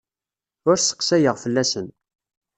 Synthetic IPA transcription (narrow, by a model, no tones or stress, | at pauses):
ʊɾsə̥qsæjəʁfəlːæsən